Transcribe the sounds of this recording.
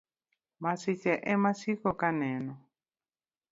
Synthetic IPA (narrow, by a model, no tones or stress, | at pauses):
masit͡ʃɛʔɛmasikɔkanɛnɔ